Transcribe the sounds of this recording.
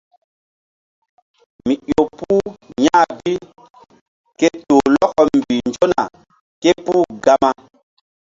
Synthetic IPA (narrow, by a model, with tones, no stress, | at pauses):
mi˨jo˨puː˦ɲa˦bi˦ | ke˦to˨lɔ˦kɔ˨m˨bi˨nd͡ʒo˦na˨ | ke˦puː˦ɡa˦ma˦